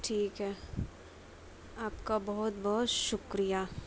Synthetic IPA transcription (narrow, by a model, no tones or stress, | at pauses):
ʈʰiːkɦɛ | aːpkabɔɦʊt̪̚bɐɦɔt̪ʃʊkɾija